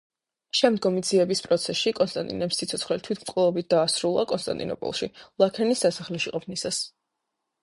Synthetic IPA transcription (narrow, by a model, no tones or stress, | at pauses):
ʃɛmd̪ɡɔmid̪ziɛbispʼɾɔt̪sʰɛsikʼɔnst̪ʼant̪ʼḭnɛpsːit̪sʰɔt̪sʰχwɛlit̪ʰwit̪ʰmkʼlɛɔbit̪̚d̪̥aːsɾulˠa̰kʼɔnst̪ʼa̰nt̪ʼḭnɔ̰pʼɔ̰lˠʃilˠakʰɛnisːasaχlɛʃiqʼɔpʰnisas